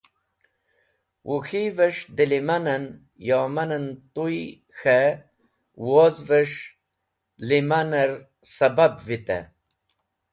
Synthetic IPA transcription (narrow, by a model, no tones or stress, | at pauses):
wʔuxivəʂd̪ilimanən | jomɐnənt̪uj | xe | wozvəʂ | limanəɾ | sɐbabvit̪ḛ